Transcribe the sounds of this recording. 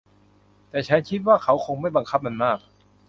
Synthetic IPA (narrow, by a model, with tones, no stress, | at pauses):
t̪ɛː˨˩t͡ɕʰa˦˥nkʰi˦˥t̪̚waː˥˩kʰa˦˥wkʰo˧ŋma˥˩jba˧ŋkʰa˦˥p̚ma˧nmaː˥˩k̚